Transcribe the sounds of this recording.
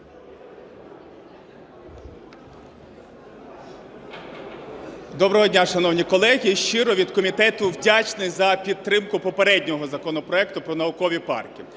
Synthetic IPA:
d̪ɔbɾɔɦɔdʲnʲaʃɐnɔwnʲikɔlˠɛɦʲiʃt͡ʃɪɾɔʋʲid̪kɔmʲit̪ɛt̪ʊwdʲat͡ʃnɪzɐpʲid̪̚t̪ɾɪmkʊpɔpeɾɛdʲnʲɔɦɔzɐkɔnɔpɾɔɛk̚t̪ʊpɾɔnɐʊkɔʋʲipɑ̰rkʲi

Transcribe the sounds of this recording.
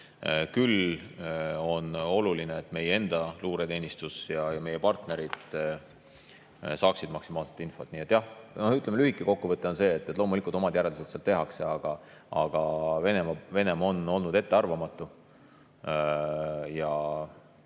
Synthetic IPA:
kyl | o̞no̞lulineet̪ːˑme̞jee̞nd̪̥ɑluːɾe̞t̪e̞ːnʲist̪usjɑjɑme̞je̞pɑrt̪ne̞ɾid̪̥ | sɑːksid̪mɑksimɑːlset̪ːinfo̞t̪niːet̪ːˑjɑhnohyt̪lemelyhikːˑiko̞kːuvɤt̪ˑːeo̞nse̞ːt̪ːˑet̪lo̞ːmulikˑult̪o̞mɑd̪jæɾeliset̪seɑlt̪eɦɑkseɑɡ̥ɑ | ɑɡ̥ɑve̞ne̞mɑve̞ne̞mɑo̞no̞lnud̪e̞t̪ːe̞ɑrvɑmɑt̪ːˑu | jɑ

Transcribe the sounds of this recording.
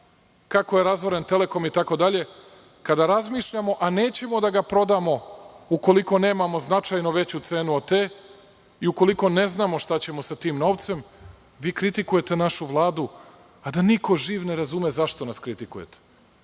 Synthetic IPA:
kako̞je̞ɾazʋoɾe̞nt̪e̞le̞ko̞mit̪ako̞d̪aʎe̞ | kad̪aɾazmiːʃʎamo̞ʔane̞ːt͡ɕe̞mo̞d̪aɡapɾo̞d̪amo̞uko̞liko̞ne̞ːmamo̞znat͡ʃajnoʋe̞t͡ɕut̪seːnuot̪eː | iuko̞liko̞ne̞znaːmo̞ʃt̪at͡ɕe̞mo̞sat̪iːmno̞ːʋt̪se̞m | ʋiːkɾit̪ikuje̞t̪e̞naʃuʋlˠaːd̪u | ad̪aniko̞ʒiːʋne̞ɾazumezaʃt̪o̞naskɾit̪ikujet̪e̥

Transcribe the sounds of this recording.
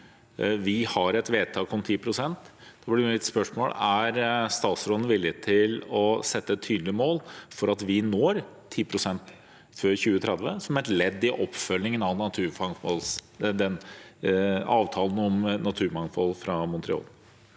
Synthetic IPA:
ʋɪhɑɾɛt̪ʋeːt̪ʰɑːkɔmt̪ʰiːpʰɾʊsɛnt̪d̪̥ɛblɪɾɪt̪spœʂmo̰ːlæɾst̪ɑːt̪sɾɔlənʋɪlːət̪ʰɪlɔsɛt̪ːəɛt̪ʰːyːd̪lɪəmoːlfɔɾɑt̪ʋɪnoːɾt̪ʰiːpʰɾʊsɛnt̪ | føːɾçʉːət̪ʰɾɛd̪ʋəsɔmæɾɛt̪lɛd̪ːɪʔɔpːfœlːɪŋənɑʋnɑt̪ʰʉːɾfɑŋfɔlsd̪ɛn | ɑːʋt̪ʰɑːln̩ɔmnɑt̪ʰʉːɾmɑŋfɔlfɾɑmʊnt̪ɾɪ̰o̰ːl

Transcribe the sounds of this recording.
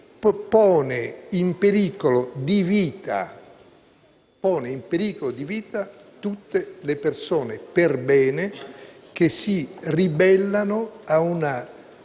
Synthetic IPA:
pɔːneimpeɾiːkolod̪iviːt̪a̰ | pɔːneimpeɾiːkolod̪iviːt̪at̪ut̪ːelepersoːneperbɛːnek̟esiribɛlːanoauna

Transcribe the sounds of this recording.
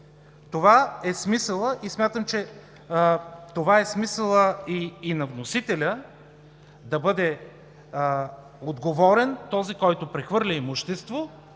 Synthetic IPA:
t̪ovaɛsmisəlˠəʔismʲjat̪əmt͡ʃɛ | t̪ovaɛsmisəlˠəiːnɐvnosit̪ɛlʲə | d̪ɐbɤd̪ɛ | od̪ɡovɔɾɛnt̪ɔzikɔjt̪ʊpɾɛxvɤɾlʲɐimuʃt̪ɛst̪vo

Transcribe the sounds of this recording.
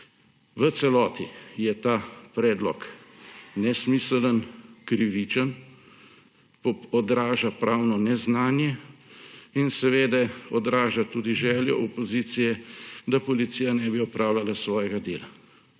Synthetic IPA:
ʋət̪sɛlɔːt̪ijɛt̪aːpɾɛːd̪lɔk | nɛsmiːslənkɾiʋit͡ʃən | pɔɔd̪ɾaːʒapɾʔaːwnɔnɛznaːnjɛ | insɛʋeːd̪ɛɔd̪ɾaːʒat̪uːd̪iʒɛːljɔ̰ʔɔpɔziːt̪sijɛd̪apɔlit̪siːjanɛbiɔpɾaːwlalasʋɔːjɛɡad̪eːla

